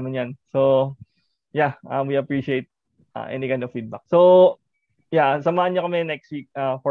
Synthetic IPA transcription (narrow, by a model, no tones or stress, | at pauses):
mɪnjanso | jaʔawiɐpɹiʃiejt̪̚ | ʔa̰ʔɛ̰nikãj̃d̪ɔvfid̪̚bɐk̚so | jasɐmaːʔɐnɲokɐmɛnɛkst̪̚wik̚afɔ